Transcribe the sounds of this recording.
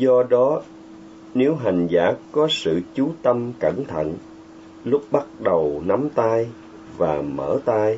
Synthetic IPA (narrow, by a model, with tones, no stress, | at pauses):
zɔ˧ɗɔ˨˦ | ne˨˦wɦa˨˩ŋ̟zaː˧˩kɔ˨˦sɨ̰˧˨t͡ɕu˨˦t̪ə˧mkə˧˩nt̪ʰə̰˧˨n | lʊ˦˥k͡p̚ɓa˦˥t̚ɗə˨˩wna˨˦mt̪aː˧j | vaː˨˩mə̰ː˧˩t̪aː˧j